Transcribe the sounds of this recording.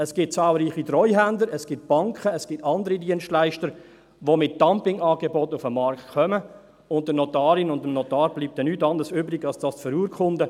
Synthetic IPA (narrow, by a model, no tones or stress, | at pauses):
ɛsɡ̥ɪt̚t͡sɑːlˠɾiːχitɾɔʏɦændəɾɛsɡ̥ɪt̚b̥ɑŋkχəɛsɡ̥ɪtɑndəɾidiənstlæɪʃtəɾ | ʋomɪt̚d̥ɑmpɪŋɑːɡebɔtʊfəmːɑɾktkʰœmə | ʊnt̚dənɔtɑːɾɪnʊndəmnɔtɑːɾb̥liːp̚tɛnytɑndəɾsøːbɾɪɡɑlsd̥ɑːstfəɾuːɾkʰχʊndə